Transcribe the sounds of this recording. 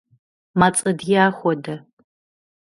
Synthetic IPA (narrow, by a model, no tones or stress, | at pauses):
mat͡sʼɐdjaːxʷɔdɐ